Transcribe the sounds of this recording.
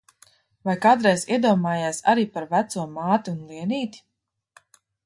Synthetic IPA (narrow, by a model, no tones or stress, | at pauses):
vajkaːt̪ɾɛjziɛd̪uɔmaːjaːsa̰ɾiːpaɾvæt̪suɔmaːt̪iunlˠiɛniːt̪i̥